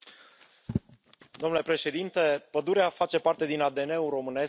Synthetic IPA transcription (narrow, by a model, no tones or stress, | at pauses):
d̪omnule̞pɾe̞ʃe̞d̪int̪e̞pəd̪uɾeafat͡ʃe̞part̪e̞d̪inad̪e̞ne̞uro̞mɨne̞s